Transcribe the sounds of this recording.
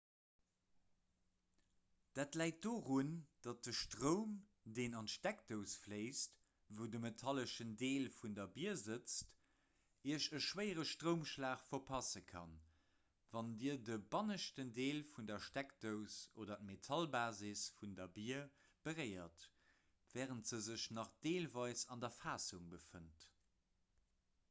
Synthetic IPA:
d̥aːtlæɪt̚doːʁund̥ɑt̚dəʃtʁəʊm | deːnɑntʃtæktəʊsfleɪst | vəʊdəmetʰɑləʃəndeːlfundɐbiɐzət͡st | iəʃəʃwəɪəʁəʃtʁəʊmʃlaːχfɐpʰɑsəkʰɑ̰n | vɑndiːɐdəbɑnəʃtəndeːlfundɐʃtækdəʊsoːdɐt̚metʰɑlbaːzisfundɐbiːɐ | b̥əʁəɪɐt | vɛːʁəntz̥əzəɕnɑχd̥eːlvɑɪsɑndɐfaːsuŋbəfənt

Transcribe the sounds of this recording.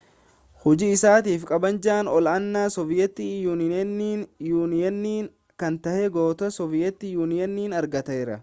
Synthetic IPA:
hʊd͡ʒɪɪsaːt̪iːfkʼɐbɐnd͡ʒɐːnɔlɐnːaːsɔvɪjɛt̪ːɪjuːnɪniːjuːnɪɛnːiːŋ | kɐnt̪ɐhɛɡo̞ːt̪ɐsɔvɪjɛt̪ːɪjuːnɪjɐnːiːnɐɾɡɐt̪ɐɛɾɐ

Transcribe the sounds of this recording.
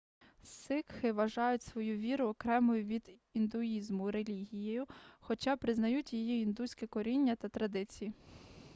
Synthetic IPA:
sɪkxɪʋɐʒɑjʊtʲsʋɔjuʋʲiɾʊɔkɾɛmɔjʊʋʲid̪ind̪ʊizmʊɾelʲiɦʲijejʊxɔt͡ʃɑpɾɪznɐjutʲjijiind̪usʲkɛkɔɾʲinʲːɐt̪ɐt̪ɾɐd̪ɪt͡sʲiji

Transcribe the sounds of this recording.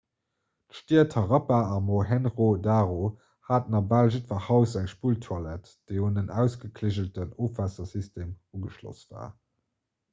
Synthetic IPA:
tʃtiːɐtʰɑʁɑpaɑmoɦɛnʁodaːʁo | haːtnɑbalʒitfɐhɑʊsæŋʃpuːltʰwalæt | d̥eɪunənæʊsɡ̥əkʰleʑəltənoːfvasɐsistʰeːmuɡəʃlo̰sv̥a̰ː

